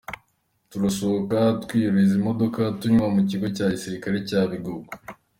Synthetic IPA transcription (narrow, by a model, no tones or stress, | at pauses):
tuɾaso̞okatwiːɾizimo̞do̞katuɲmamuciɡo̞caːcisiɾikaɾe̞caːβiɡoɡo̥